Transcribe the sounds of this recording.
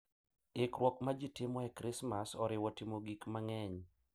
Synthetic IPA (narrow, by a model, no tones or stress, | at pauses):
ɪkɾwɔkmad͡ʒitɪmɔɛkɾɪsmasɔɾɪwɔtɪmoɡikmaŋɛɲ